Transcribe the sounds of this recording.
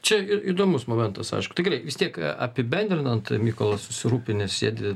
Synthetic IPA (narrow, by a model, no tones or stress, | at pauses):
t͡ʃʲɛiid̪oːmʊsmoːmʲɛnt̪ɐsɐ̰ɪʃkʊt̪ʲɐɪɡɛrɐɪʋʲɪst̪ʲiɛkɐ̰pʲɪbʲɛnʲd̪ʲɾʲɪnɐnt̪mʲiːkolˠɐssʊsʲɪɾuːpʲɪnʲɛssʲḭːd̪ʲɪ